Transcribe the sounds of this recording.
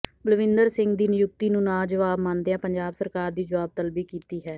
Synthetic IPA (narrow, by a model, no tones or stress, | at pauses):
bəlʋɪ̃nd̪əɾsɪŋɡd̪iːnɪjʊk̚t̪iːnũːnãːd͡ʒəʋaːbmãːnd̪eãːpəɲd͡ʒaːbsəɾkaːɾd̪iːd͡ʒəʋaːb̚t̪əlbiːkiːt̪iːɦɛː